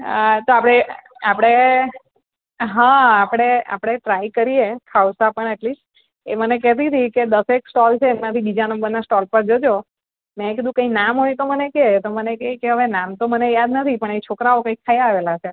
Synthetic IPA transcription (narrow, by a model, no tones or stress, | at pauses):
ət̪oapɽ̃eapəɽ̃e | ɦãapɽ̃ea̰pɽ̃eʈɾaikəɾijekʰawsapəɳɛʈlis | emənekɛt̪̬it̪ʰiked̪əseksʈɔlt͡ʃʰeːmãt̪ʰibid͡ʒanəmbəɾnasʈɔlpəɾd͡ʒəd͡ʒo | mɛ̃k̬id̪ũkə̃inamɦojt̪oməneket̪omənekeikeɦəʋenamt̪omənejad̪nət̪ʰipəɳet͡ʃʰokɾaokə̃ikʰːajaaʋelat͡ʃʰe